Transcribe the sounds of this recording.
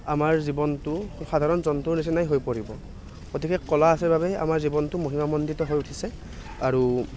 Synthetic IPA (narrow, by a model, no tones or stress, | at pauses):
amaɹzibɔntʊxadʱaɹɔnzɔntuɹnis̬inajɦojpoɹibɔ | kotʰikɛkɔlaːsɛbabɛa̰maɹzibɔntʊmoɦimamɔnditɔɦojutʰisɛ | aɹu